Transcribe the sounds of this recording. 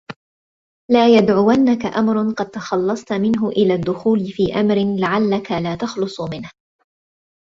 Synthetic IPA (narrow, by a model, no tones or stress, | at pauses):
laːjad̪ʕʊwanːakaʔamɾˤʊnqɑd̪̚t̪ɑxɑlːɑsˤt̪mɪnɦʊʔɪlaːd̪ːʊxuːlɪfiːʔamɾɪnlaʕalːakalaːt̪ɑxlʊsˤmɪnh